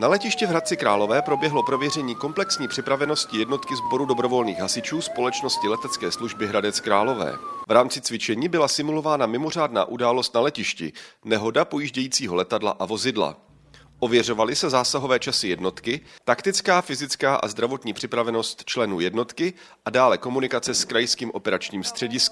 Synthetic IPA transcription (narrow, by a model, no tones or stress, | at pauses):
nalɛcɪʃcɛvɦɾat̪̚t͡sɪkɾaːlo̞vɛːpɾo̞bjɛɦlo̞pɾo̞vjɛrɛɲiːko̞mplɛksɲiːpr̥ɪpɾavɛno̞scɪjɛdno̞t̪kɪzbo̞ɾudo̞bɾo̞vo̞lniːxɦasɪt͡ʃuːspo̞lɛt͡ʃno̞scɪlɛt̪ɛt͡skɛːsluʒbɪɦɾadɛt͡skɾaːlo̞vɛ̰ːvɾaːmt͡sɪt͡svɪt͡ʃɛɲiːbɪlasɪmulo̞vaːnamɪmo̞r̝aːdna̰ːʔudaːlo̞st̪nalɛcɪʃcɪ̰nɛɦo̞dapo̞jiʒɟɛjiːt͡siːɦolɛt̪adla̰ʔavo̞zɪdla̰ | ʔo̞vjɛr̝o̞valɪsɛzaːsaɦo̞vɛːt͡ʃasɪjɛdno̞t̪kɪt̪akt̪ɪt͡skaːfɪzɪt͡skaːʔa̰zd̪ɾavo̞t̪ɲiːpr̥ɪpɾavɛno̞st̪t͡ʃlɛnuːjɛdno̞t̪kɪ | ʔadaːlɛko̞munɪkat͡sɛskɾajskiːmʔo̞pɛɾat͡ʃɲiːmst̪r̝̥ɛɟɪsk